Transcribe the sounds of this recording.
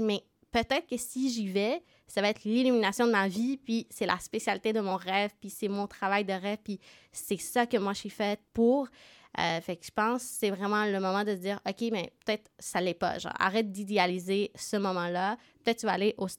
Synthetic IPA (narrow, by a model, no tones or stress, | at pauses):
mɛ | pøt̪ɛt̪χkəsiʒivɛ | savaɛt̪χlilyminasjɔ̃d̪əmavipɥisɛla̰spesjalit̪ed̪əmɔ̃ʁɛvpisɛmɔ̃t̪χavajd̪əʁɛv̥pi | sɛsakəmwaʒsɥifɛt̪̚puːʁ | ø̰fakʒ̥ə̥pɑ̃sːɛvʁɛmɑ̃ləmɔmɑ̃d̪əsəd͡ziːʁɔkʲemɛpø̥t̪ɛt̪χsalɛpa̰ʒɑ̰̃ːa̰ʁɛt̪̚d̪id̪ealizesəmɔmɑ̃lapət̪ɛt̪̚t̪yvaːleʔo